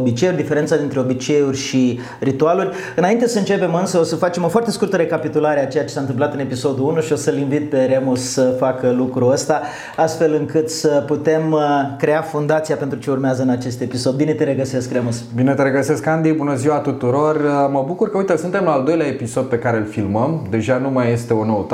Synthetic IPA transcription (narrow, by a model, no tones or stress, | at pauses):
obit͡ʃejurʲd̪ife̞ɾent̪sad̪int̪ɾe̞o̞bit͡ʃe̞jurʲʃi | rit̪ualurʲ | ɨnaint̪e̞səɨnt͡ʃe̞pe̞mɨnsəo̞səfat͡ʃe̞mo̞foart̪eskurt̪əɾe̞kapit̪ulaɾeat͡ʃe̞jat͡ʃe̞sant̪ɨmp̬lat̪ɨne̞piso̞d̪uunuʃio̞səlinvit̪̚pe̞ɾe̞mussəfakəlukɾuəst̪a | ast̪fe̞lɨŋkɨt̪səput̪e̞mkɾe̞afund̪at̪sijape̞nt̪ɾut͡ʃe̞urmeazəɨnat͡ʃe̞st̪e̞piso̞d̪̚bine̞t̪e̞ɾe̞ɡəse̞skremusbinet̪eɾeɡəse̞skand̪ibunəziwat̪ut̪uɾo̞rəməbukurkəujt̪esɨnt̪e̞mlaːld̪o̞jleaepiso̞d̪̚pe̞kaɾe̞lfilməmd̪e̞ʒanumaje̞st̪e̞onot̪